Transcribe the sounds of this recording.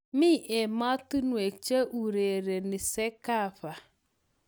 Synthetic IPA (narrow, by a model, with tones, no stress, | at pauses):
mi˦˨ʔe˨ma˦tu˦nu˨e˨t͡ʃe˦ʔu˨ɾe˨ɾe˨nɪ˨se˦ka˦˨fa˨